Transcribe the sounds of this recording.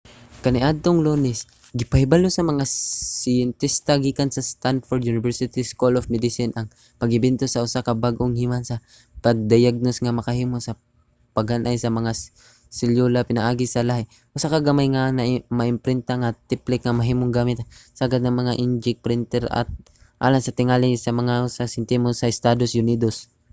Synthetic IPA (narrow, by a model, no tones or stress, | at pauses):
kɐnɪʔad̪̚t̪oŋlonɪs | ɡɪpɐhɪbalosɐmɐŋasɪjɛnt̪ist̪ɐɡiːkansɐst̪anfoɾd̪junɪvɛɹsɪt̪iskolofmɛd̪ɪsɪnʔɐŋ | pɐɡɪbɛnt̪osɐʔʊsakɐbaɡʔoŋhimansɐ | pɐɡ̚d̪ɐjaɡ̚nosŋɐmɐkɐhiːmosɐ | pɐɡhanʔajsɐmɐŋa | sɪljolapɪnɐʔaːɡɪsɐlaɦɪ | ʔʊsakaɡɐmajŋanɐmɐʔɪmpɾɪnt̪aŋat̪ɪplɪk̚ŋɐmɐɦiːmoŋɡaːmɪt̪saɡad̪̚nɐŋmɐŋaʔɪnd͡ʒɪk̚pɾɪnt̪ɛɾɐ̰t̪̚ | ʔa̰ːlaŋsɐt̪ɪŋalɪsɐmɐŋasasɪnt̪ɛmosɐɪst̪ad̪osjʊniːd̪os